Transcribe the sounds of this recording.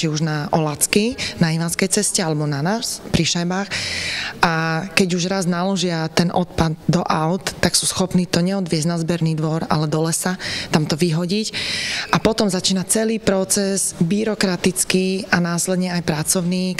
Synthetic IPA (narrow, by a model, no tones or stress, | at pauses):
iuʒnaʔɔlat͡skinaiʋanskɛjt͡sɛscɛalɛbɔnanaspɾiʃajbaːxʔakɛɟuʒɾaznalɔʒɪat̪ɛnʔɔt̪pad̪̚d̪ɔʔaʊt̪ːaksuːsxɔpniːt̪ɔɲɛɔd̪ʋɪɛznazbɛɾniːd̪ʋɔɾa̰lɛd̪ɔlɛsat̪amt̪ɔʋiɦɔɟicʔapɔt̪ɔmzat͡ʃiːnat͡sɛliːpɾɔt͡sɛzbiɾɔkɾat̪it͡skiːanaːslɛd̪ɲɛajpɾat͡sɔʊniː